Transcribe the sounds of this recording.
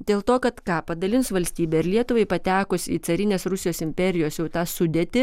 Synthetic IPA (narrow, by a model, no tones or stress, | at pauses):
d̪ʲeːlˠt̪oːkɐt̪kɑːpɐd̪ɐlʲɪnsʋɐlʲsʲt̪ʲiːbʲɛɪɾlʲiɛt̪ʊʋɐɪpɐt̪ʲæːkʊsʲḭːt̪sɐɾʲɪnʲeːsɾʊsʲɪjoːsɪmʲpʲɛɾʲɪjoːsjɛʊt̪ɑːsʊd̪ʲeːt̪ʲɪ